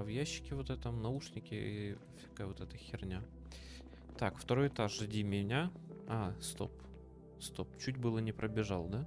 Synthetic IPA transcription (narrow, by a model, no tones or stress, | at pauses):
vjæɕːɪ̥kʲɪvot̪ɛt̪əmnɐuʂnʲɪkʲɪḭ | fʲɐ̥kavot̪ɛt̪əxʲɪrnʲa | t̪akft̪ɐɾo̞jɪt̪aʂɨdʲimʲɪnʲaast̪o̞̰p | st̪o̞p̚t͡ɕutʲbɨlˠənʲɪpɾʔəbʲɪʐɑlˠd̪a